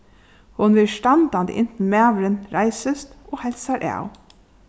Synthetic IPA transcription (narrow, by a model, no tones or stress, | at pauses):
hʊnʋɪlʃʈɑnd̪ɑnd̪ḭʔɪnt̪n̩mæːʋəɾənɾæɪsəst̪oːhɛlsɑɾʔæ̰ːʊ̰